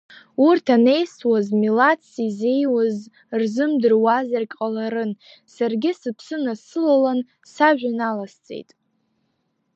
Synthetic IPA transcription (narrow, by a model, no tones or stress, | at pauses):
urtʰane̞jswazmilatʰsize̞jwaz | rzɨmdɨrwazarkʼqʼalaɾɨn | sarɡʲɪsɨpʰsɨnasɨlalan | saʒᶣanalast͡sʼe̞̰jtʼ